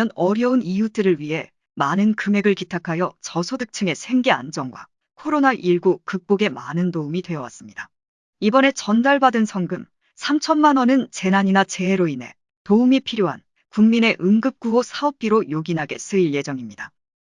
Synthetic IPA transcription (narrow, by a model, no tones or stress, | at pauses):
ʌnʌɾjʌunijut͈ɯɾɯɭɥiɦe̞ | manɯnkɯme̞ɡɯɭkitʰakʰajʌt͡ɕʌsʰodɯk̚t͡ɕʰɯŋe̞sʰe̞ŋɡe̞a̰nd͡ʑʌŋɡwa̰ | kʰoɾonaʔiɭɡukɯk̚p͈oɡe̞manɯntoumidwe̞ʌwa̰s͈ɯmɲida | ibʌne̞t͡ɕʌndaɭbadɯnsʰʌŋɡɯm | sʰamt͡ɕʰʌnmanʌnɯnt͡ɕe̞naɲinat͡ɕe̞ːɾoine̞̰ | toumipʰiɾjoɦa̰n | kuŋmine̞ʔɯŋɡɯp̚k͈uɡosʰaʌp̚p͈iɾojoɡinɦaɡe̞s͈ʰɯiɭje̞d͡ʑʌŋimɲida